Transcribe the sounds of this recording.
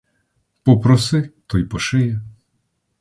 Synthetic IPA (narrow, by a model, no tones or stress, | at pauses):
pɔpɾɔsɪt̪ɔjpɔʃɪjɛ